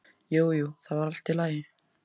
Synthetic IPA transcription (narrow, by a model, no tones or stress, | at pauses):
joːwjuwθavaɾal̥t̪ːɪlaːjɪ